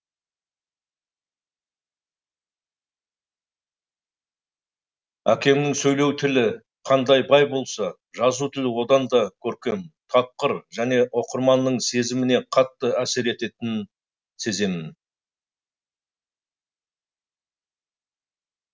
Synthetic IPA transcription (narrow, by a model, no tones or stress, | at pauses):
ækʲe̞mnɪŋsɵjle̞wt̪ʰɪlɪ | qʰɑnd̪ɑjbɑjbo̞lˠsɑ | ʒɑzut̪ʰɪlwo̞d̪ɑnd̪ɑkʲʰɵɾkʲe̞mt̪ʰɑp̚qəɾʒæne̞ʔo̞qəɾmɑnːəɴse̞zɪmɪne̞qʰɑt̪ːəæse̞ɾe̞t̪e̞t̪ɪn | se̞ze̞mɪn